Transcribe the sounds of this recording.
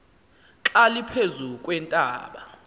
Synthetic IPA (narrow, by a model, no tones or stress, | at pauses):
ǁalipʰezukʼwɛntʼa̰ːɓa